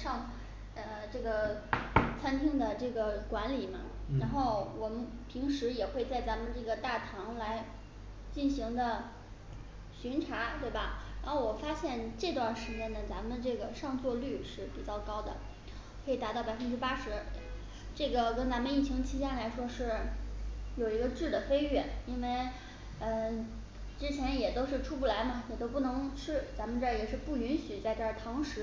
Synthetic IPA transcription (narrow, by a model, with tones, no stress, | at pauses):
ʂɑ˥˧ŋ | ə˧ʈ͡ʂɤ˥˩ɡə˩ | t͡sʰa˥nt̪ʰi˥ŋd̪ə˨ʈ͡ʂɤ˥˩ɡə˩kwa˧˥nli˨˩mɐ˦ɻa˧˥nxo˥˩ʊwɔ˨˩mə˦npʰi˧˥ŋʂɻ̩˧˥jɛ˨˩xwe˥˧ɪt͡sa˥˩ɪt͡sa˧˥mə˧nʈ͡ʂɤ˥˩ɡə˩t̪a˥˩t̪ʰɑ˧˥ŋla˧˥ɪ | t͡ɕi˥˩nɕi˧˥ŋd̪ə˧ | ɕy˧˥nʈ͡ʂʰa˧˥t̪we˥˩ɪbɐ˩ɻa˧˥xo˥˩wɔ˨˩fa˥ɕjɛ˥˧nʈ͡ʂɤ˥˧t̪wa˥˩nʂɻ̩˧˥t͡ɕjɛ˥nə˨t͡sa˧˥mə˨˧n˧ʈ͡ʂɤ˥˩ɡə˩ʂɑ˥˧ŋt͡swɔ˥˧ly˥˧ʂɻ̩˥˩pi˨˩t͡ɕjɑ˥˩ʊkɑ˥ʊd̪ə̰˨ | kʰɤ˧˥i˨˩t̪a˧˥ɑ˥˩ʊpa˨˩ə˥nʈ͡ʂɻ̩˥pa˥ʂɻ̩˧˥ | ʈ͡ʂɤ˥˩ɡə˩kə˥nt͡sa˧˥mə˧ni˥˩t͡ɕʰi˧˥ŋt͡ɕʰi˥ɕja˥˩la˧˥ɪʂwɔ˥ʂɻ̩˥˩ | jo˨˩ʊi˧˥ɡə˧ʈ͡ʂɻ̩˥˩d̪ə˩fe˥ɪɥɛ˥˩i˥nwe˥˧ɪ | ə˥˧ | ʈ͡ʂɻ̩˥t͡ɕʰjɛ˧˥njɛ˨˩t̪o˥ʊʂɻ̩˥˧ʈ͡ʂʰu˥pu˥˩la˧˥ɪmɐ˧jɛ˨˩t̪o˥ʊpu˥˩nɤ˧˥ŋʈ͡ʂʰɻ̩˥˩t͡sa˧˥mə˧nʈ͡ʂjɛ˨˩ʂɻ̩˥˧pu˥˩y˧˥nɕy˨˩t͡sa˥˧ɪʈ͡ʂə˥˩t̪ʰɑ˧˥ŋʂɻ̩˧˥